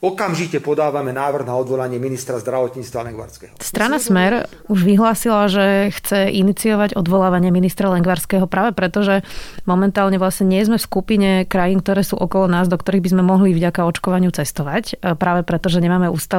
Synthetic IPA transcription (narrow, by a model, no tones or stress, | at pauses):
ɔkamʒicɛpɔd̪aːʋamɛnaːʋr̩ɣnaɔd̪ʋɔlaɲɪɛminist̪ɾazd̪ɾaʋɔt̪ɲiːt͡st̪ʋalɛŋɡʋa̰ɾskɛɦɔst̪ɾanasmɛɾ | uʒʋiɦlaːsilaʒɛxt͡sɛʔinit͡siɔʋaɟɔd̪ʋɔlaːʋaɲɪɛminist̪ɾalɛŋɡʋaɾskɛːɦɔpɾaːʋɛpɾɛt̪ɔʒɛmɔmɛnt̪aːlɲɛʋlasɲɛɲɪɛzmɛfskupiɲɛkɾajiːnk̚t̪ɔɾɛːsṵːʔɔkɔlɔnaːzd̪ɔkt̪ɔɾiɣbizmɛmɔɦlivɟakaɔt͡ʃkɔʋaɲɪut͡sɛst̪ɔʋacpɾaːʋɛpɾɛt̪ɔʒɛɲɛmaːmɛuːst̪a